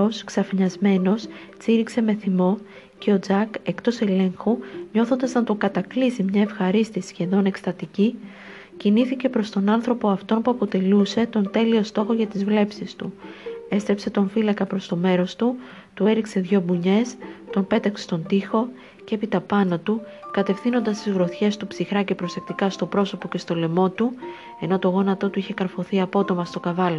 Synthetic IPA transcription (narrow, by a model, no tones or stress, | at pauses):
osksɐfiɲɐzme̞no̞st͡siɾikse̞me̞θimo̞ | ce̞o̞d͡zɐke̞kt̪o̞se̞le̞ŋxuɲo̞θo̞nd̪ɐznɐt̪o̞ŋɡɐt̪ɐklisimɲɐe̞fxɐɾist̪isçe̞ðo̞ne̞kst̪ɐt̪ici | ciniθice̞pɾo̞st̪o̞nɐnθɾo̞po̞ɐft̪o̞npuɐpo̞t̪e̞luse̞t̪o̞nt̪e̞lio̞st̪o̞xo̞ʝɐt̪izvle̞psist̪ue̞st̪ɾe̞pse̞t̪o̞ɱfilɐkɐpɾo̞st̪o̞me̞ɾo̞st̪u | t̪ue̞ɾikse̞ðʝo̞buɲe̞st̪o̞npe̞t̪ɐkset̪o̞nt̪ixo̞ | ceepit̪ɐpɐnɐt̪u | kɐt̪e̞fθino̞nd̪ɐst̪izɣɾo̞θçe̞st̪upsixɾɐce̞pɾo̞se̞k̚t̪ikɐst̪opɾo̞so̞po̞ce̞st̪o̞le̞mo̞t̪u | e̞no̞t̪o̞ɣo̞nɐt̪o̞t̪uiçe̞kɐɾfo̞θiɐpo̞t̪o̞mɐst̪o̞kɐvɐlo